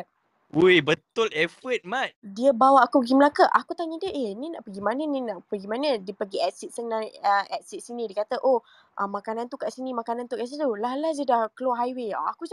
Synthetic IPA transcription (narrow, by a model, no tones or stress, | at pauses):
ujbət̪ʊlɛfət̪̚mat̪̚diəbawaʔakupəɡiməlakəʔakut̪aɲədiəʔeninaʔpəɡimanənĩnaʔpəɡimanədiəpəɡiɛtsit̪̚sənːanəɛtsit̚sinĩdiəkat̪əʔo | ʔəmãkanant̪ukaʔsinĩmakanant̪ukas̬it̪ulalazədahkəloɦajweɔ̰a̰ku